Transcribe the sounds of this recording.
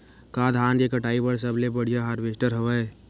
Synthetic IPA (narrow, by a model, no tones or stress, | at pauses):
kad̪ʱɦaːnkekəʈaːibəɽs̬əblebəɽ̤ijaɦaɾʋesʈəɾɦəʋɛ